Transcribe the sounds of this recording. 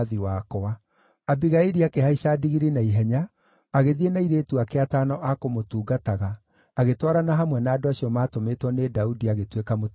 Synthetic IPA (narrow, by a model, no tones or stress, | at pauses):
ðiwakɔa | abiɣaeɾiakeɦaiɕadiɣiɾinaiɦɛɲaː | ɣeðienaiɾetuakeatanɔʔakomotuːɡataɣaː | ɣetwaɾanaɦamwɛnaːdoaɕiɔmaːtometwɔnedaudiaɣetwekamot